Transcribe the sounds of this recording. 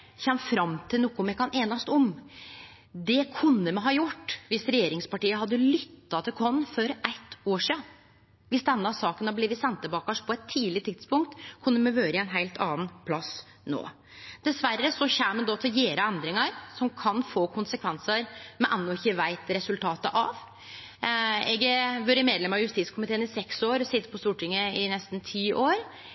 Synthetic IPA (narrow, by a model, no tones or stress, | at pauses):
çɛmːfɾɑmt̪ʰɪlnukːʊmɛkɑneːnɑst̪ɔm | d̪ɛkʰʉnːəmɛɦɑːjʊʈːʋɪsɾɛjeːɾɪŋspɑʈiːəɦɑd̪ːəlʏt̪ːɑt̪ʰɪlkʰɔnːfɔɾʔæt̪ːoːʂiːɑ | ʋɪsd̪ɛnːəɑsɑːkənɑbliːʋɪt̪sɛnt̪ːəbɑːkɑʂpʰɔɛt̪ʰːiːlɪt̪ʰɪt̪spʊŋk̚t̪kʰʉnːəmɛʋøːɾəɛɪnɦæɪlt̪ʰɑːnpʰlɑs | no̰ː | d̪̥ɛsʋærːəsɔçæːmɛnd̪ɑt̪ʰɪljeːɾəɛnd̪ɾɪŋɑɾsɔmkʰɑnfoːkʰʊnsəkʰʋɛnsəɾmɛʔɛnːʊɪçːəʋæɪt̪ɾɛsʉlt̪ʰɑːt̪əʔɑʋ | ɛɡəʋøːɾəmeːd̪lɛmɾɑʋjʉst̪iːt̪skʰʊmɪt̪ʰeːənɪsɛksoːɾɔsɪt̪ːə̥pʰɔst̪uːʈɪŋːəɪnɛst̪n̩t̪ʰiːʔoːɾ